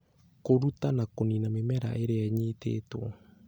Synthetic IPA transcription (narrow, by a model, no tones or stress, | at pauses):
koɾutanakoninamemɛɾa̰ʔeɾeaɲiːtḛːtwɔ